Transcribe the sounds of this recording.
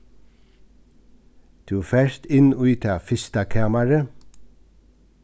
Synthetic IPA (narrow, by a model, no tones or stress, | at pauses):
d̪̥ʰʉːfæʃt̪ɪnoːyːt̪ʰɑːfɪst̪ɑkʰɑːmaɹə